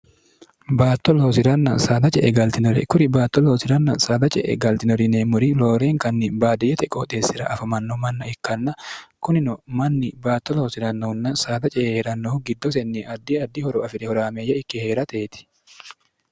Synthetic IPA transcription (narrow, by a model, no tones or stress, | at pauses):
baːt̪ːɔloːsɪɾɐnːɐsaːd̪ɐt͡ʃʼɛʔɛɡɐlt̪ɪnɔɾɛ̰kʊɾɪbaːt̪ːɔloːsɪɾɐnːɐ̰saːd̪ɐt͡ʃʼɛʔɛ̰ɡɐlt̪ɪnɔɾɪneːmʊɾɪloːɾeːŋkɐnːɪbaːd̪ɪjɛt̪ɛkʼoːt̪ʼeːsːɪɾɐ̰ʔɐfɐmɐnːɔmɐnːɐɪkːɐnːɐkʊnɪnɔmɐnːɪbaːt̪ːɔloːsɪɾɐnːɐhʊnːɐsaːd̪ɐt͡ʃʼɛʔheɾɐnːɔʊɡɪd̪ːɔsɛnːiɐd̪ːiɐd̪ːɪhɔɾɔɐfɪɾɛhɔɾaːmeːjːɐɪkːɪhe̞ːɾɐt̪eːt̪ɪ̥